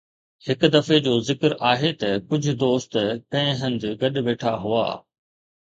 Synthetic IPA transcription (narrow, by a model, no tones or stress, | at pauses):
hɪkd̪ɐfed͡ʑoːzɪkəɾʔaːɦet̪ɐkʊd͡ʑʱʊ̆d̪oːst̪kɐ̃ɦɪ̃ɦɐ̃nɪd̪ʊɡɐɗʋeːʈʰaɦua̰ː